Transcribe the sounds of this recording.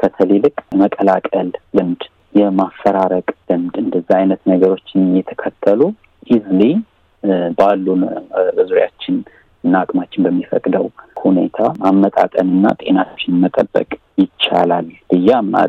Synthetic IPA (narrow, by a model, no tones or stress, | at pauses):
kʰət̪ʰəlelɨkʼməkʼəlakʼəlːɨmd̪ | jɛmafːəɾaɾəkʼlɨmd̪ɨnd̪əzːaajnət̪nəɡəɾo̞t͡ʃːɪjɛt̪ʰə̥kʰət̪ʰːəlu | ʔizli | balːubɨzuɾja̰t͡ʃːɪn | nakʼmat͡ʃːɪnbəmːifəkʼd̪əwhune̞̰t̪ʰamamːət̪ʼa̰t̪ʼə̰nɨnːa̰t̪ʼe̞nat͡ʃːɪnmət̪ʼəbːə̰kʼjɪt͡ʃːa̰lalb̥ɨjːamːa̰